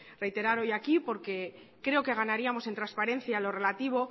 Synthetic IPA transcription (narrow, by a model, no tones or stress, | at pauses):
re̞jt̪e̞ɾaɾo̞jakipo̞ɾke̞ | kɾe̞o̞ke̞ɣ̞anaɾiamo̞se̞nt̪ɾaspaɾe̞nθjalo̞re̞lat̪iβ̞o̞